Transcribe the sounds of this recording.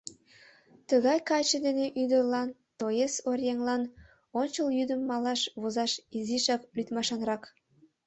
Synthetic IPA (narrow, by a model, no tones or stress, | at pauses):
t̪əɣɑjkɑjt͡ɕə̆d̪eneʔyd̪ərlɑnt̪ojesorʲjeŋlɑn | onʲt͡ɕəljyd̪əmːɑlɑʃβozɑʃiziʃɑklyt̪mɑʃɑnɾɑk